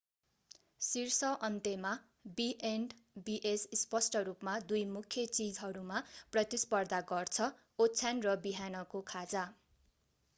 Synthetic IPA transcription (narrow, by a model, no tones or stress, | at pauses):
sirsʌʔʌnt̪ema | biʔeɳɖbiʔesispʌsʈʌɾupmad̪ujmukʰjʌt͡sid͡zɦʌɾumaprʌt̪ispʌrd̪aɡʌrt͡sʰʌ | otːt͡sʰanrʌbiɦanʌkokʰad͡za